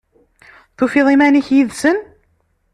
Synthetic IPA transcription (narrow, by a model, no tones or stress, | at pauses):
θufiðˤimæniçjiðsən